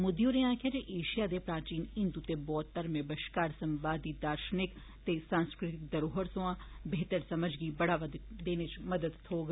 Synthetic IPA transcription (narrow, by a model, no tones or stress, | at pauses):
mʊd̪joɾeãːkjaːd͡ʒeʔeːʃijaːd̪eːpɾaːɾt͡ʃiːnɪnd̪ut̪ebɔːt̪ːəɾmẽbəʃkaːɾsə̃mʋaːd̪iːd̪aːɾʃənɪk | t̪esãːnskɾɪt̪ɪk̚d̪əɾoːɦəɾsoãːbeːt̪əɾsɐməd͡ʒɡiːbəɽaːʋd̪d̪eːnet͡ʃməd̪əd̪ʰoːɡ